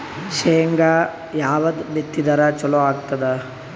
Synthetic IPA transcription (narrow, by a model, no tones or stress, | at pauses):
ʃejŋɡa | jaːʋɐd̪bet̪ːid̪ɐɾɐt͡ʃɔloaːɡt̪ɐd̪ɐ